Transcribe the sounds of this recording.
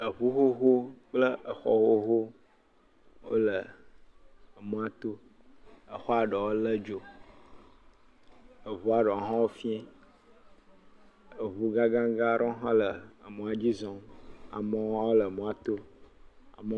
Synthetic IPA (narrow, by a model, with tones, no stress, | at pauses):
ə˨βu˦ɦo˦ɦo˦k͡plə˦ə˨xɔ̰˦wo˦ɦo˦ | wo̰˦lə˨ | mũ˨a˨t̪o˦ | ə˨xɔ˦a˨ɖɔ˨wo˦lə˦d͡ʒo˨ | ə˨vu˦a˨ɖɔ˨ɦã˦wo˦fi˦ɛ̃˦ | ə˨βu˨ɡa˦ɡã˦ɡa˦ɖɔ̃˦ɦã˦lə˨mũ˨a˨d͡ʑi˦zɔ̃˨a̰˨mɔ̃˨˦wo˦lə˨mũ˨a˨t̪o˦ | a̰˨mə˨˦